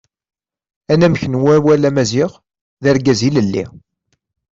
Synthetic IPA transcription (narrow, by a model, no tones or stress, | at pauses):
ænæmçənwæwælæmæziʁ | ðəɾɡæziləlːḭ